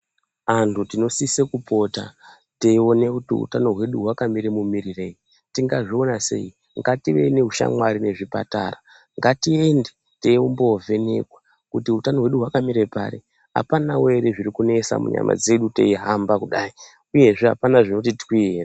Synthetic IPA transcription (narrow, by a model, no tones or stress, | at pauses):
antʰutino̞sisekupo̞ta̰ | teio̞ne̞kutiṵtano̞ɦwe̞ɗuɦwakamiɾemumirire̞ji | tiŋɡaʐio̞nase̞̰i | ŋɡatiʋe̞̰ine̞uʃa̰mwaɾine̞ʐipa̰ta̰ra | ŋɡatie̞nde | teiumbo̞ve̞ne̞̰kwa | kutiutano̞ɦwe̞ɗuɦwakamiɾe̞pa̰ɾḛ | a̰panawe̞reʐiɾikune̞sa̰mṵɲa̰ma̰d͡ze̞ɗute̞̰iɦambakuɗai | uje̞ʐeɦa̰panaʐino̞t̬itwwiera